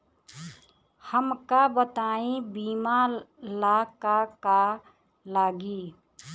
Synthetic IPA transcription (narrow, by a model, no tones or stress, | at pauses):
həmkabət̪aːĩbiːmalakaka | laɡi